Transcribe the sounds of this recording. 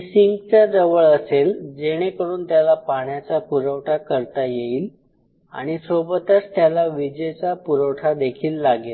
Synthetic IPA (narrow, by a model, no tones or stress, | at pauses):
siŋɡt͡sad͡zəʋəɭəseld͡zeɽ̃ekəɽuːnt̪jalapaɳjat͡sapuɾəwʈʰakəɾt̪ajeiːl | a̰ɽ̃isobət̪əst̪jalaʋid͡ʑet͡sapuɾəwʈʰad̪ekʰiːlːaɡel